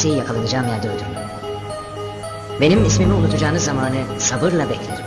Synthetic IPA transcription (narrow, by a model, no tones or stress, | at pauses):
ejijakʰalˠanɯd͡ʒaːmæɾd̪eoɾd̪um | be̞nimismimiunut̪ʰud͡ʒaːnɯzamaːnɯsabɯɾlˠabɛclʲeɾi